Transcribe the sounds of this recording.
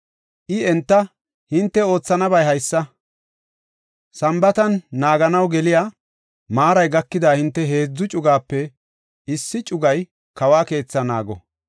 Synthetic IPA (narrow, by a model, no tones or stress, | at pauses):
ʔɪɛnt̪ːɐ | hɪnt̪ːɛo̞ːt͡sːɐnɐbɐjɦɐjsːɐ | sɐmbɐt̪ɐnːaːɡɐnɐwɡɛlɪjaː | maːɾɐjɡɐkːɪd̪aːhɪnt̪ːɛɦe̞ːd͡zːʊt͡ʃʼʊɡaːpːɛ | ɪsːɪt͡ʃʼʊɡɐj | kɐwaːke̞ːt͡sːɐna̰ːɡɔ̰